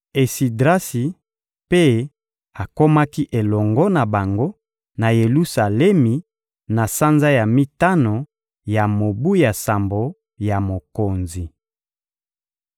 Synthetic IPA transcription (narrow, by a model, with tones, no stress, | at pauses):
e˨si˨dʁa˦si˨ | pe˦ | a˨ko˦ma˦ki˦ʔe˨lɔ˨ŋɡɔ˦na˨ba˨ŋɡo˦ | na˨je˨lu˦sa˨lɛ˦mi˨ | na˨sa˦nza˦ja˨mi˦ta˦no˨ | ja˨mo˨bu˦ja˨sa˨mbo˨ | ja˨mo˨ko˨nzi˨